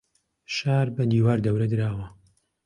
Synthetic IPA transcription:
ʃaːɾbɐd̪iːwaːɾd̪ɐwɾɐd̪ɨɾaːwɐ

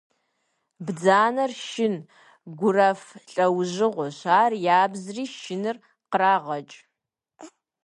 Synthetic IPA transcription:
bd͡zaːnɐrʃɪn | ɡʷʊrɐfɬʼɐwʑɪʁʷʊɕaːrjaːbzriːʃɪnɨr | qəraːʁɐt͡ʃʼ

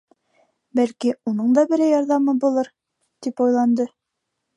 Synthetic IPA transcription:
bælkiunɤɴd̪ɑbɘ̆ɾæjɒɾðɑmɤbulˠɤɾ | t̪ipɒjlˠɑnd̪ɤ

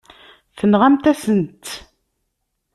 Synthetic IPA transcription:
θənʁæmt̪æsənt̪

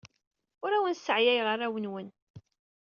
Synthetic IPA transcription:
ʊɾæwənsəʕjæjʁərːæwənwən

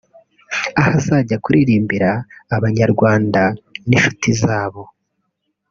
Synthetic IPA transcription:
ahazaɟakuɾiɾiːmbiɾaːβaɲaɾɡwaːndaniʃu̥tizaːβo̞

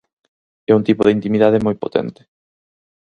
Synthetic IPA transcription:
ɛuŋt̪ipoðeint̪imiðað̞emɔjpot̪ʰɛ̰nt̪ɪ̥

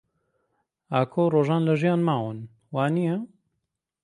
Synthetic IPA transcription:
aːkʰowroːʒaːnlɐʒijaːnmaːwɨn | waːnijɐ

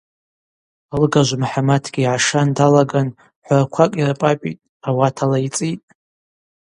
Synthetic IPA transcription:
alɡaʒʷmħamatʰɡʲiːʕaʂandalaɡan | ħʷrakʷʰakʷʼirpʼapʼḭtʼ | awatʰalait͡sʼitʼ

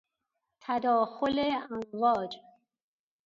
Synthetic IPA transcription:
t̪ʰæd̪ɒːxoleænvɒːd͡ʒ

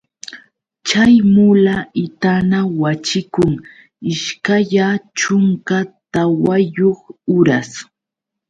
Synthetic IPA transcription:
t͡ʃajmʊlaɪt̪anawat͡ʃɪkʊŋ | ɪʃkaʎat͡ʃʊŋkat̪awajoχʊɾas

